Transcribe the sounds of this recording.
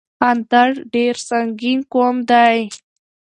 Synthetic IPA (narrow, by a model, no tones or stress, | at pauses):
ant̪aɽɖeɾsaŋɡinkomd̪aj